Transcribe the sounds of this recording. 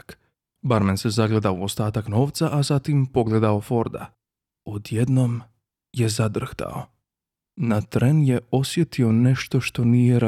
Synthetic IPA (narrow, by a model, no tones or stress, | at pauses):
k | baɾmense̞zaɡled̪aouo̞st̪aːt̪akno̞ːʋt̪saʔazat̪impo̞ɡle̞d̪ao̞fo̞ɾd̪a̰ | od̪jed̪no̞m | je̞zad̪r̩xt̪a̰o̞̰ | nat̪ɾenje̞o̞sje̞t̪io̞ne̞ʃt̪o̞ʃt̪o̞nijeɾ